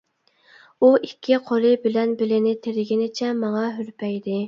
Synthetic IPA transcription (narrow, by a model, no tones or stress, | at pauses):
uʔikʲʰːiqʰolˠɨbɪlɛnbɪlɪnɪt̪ʰeɾɪɡʲinɪt͡ʃʰɛmɑŋɑɦyɾpʰɛjd̪ɪ